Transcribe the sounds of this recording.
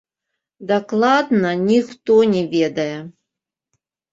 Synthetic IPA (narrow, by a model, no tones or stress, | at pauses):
d̪aklˠad̪nɐnʲixt̪ɔnʲɛvʲed̪ɐjɛ